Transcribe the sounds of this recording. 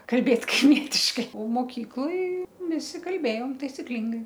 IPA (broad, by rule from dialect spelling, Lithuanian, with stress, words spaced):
kɐlʲˈbʲeːt kɐɪˈmʲiɛtʲɪʃkɐɪ oː moːˈkʲiːklˠoːj ˈʋʲɪsʲɪ kɐlʲˈbʲeːjoːm tɐɪsʲɪˈklʲɪŋɡɐɪ